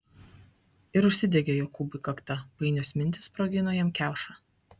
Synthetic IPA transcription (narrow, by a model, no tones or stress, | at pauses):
ɪɾʊʃʲsʲɪd̪ʲɛɡʲejoːkːuːbʲɪkɐkt̪ɐpɐɪnʲoːsmʲɪnʲt̪ʲɪ̥spɾoːɡʲɪnoːjɛmkʲæˑʊʃɑ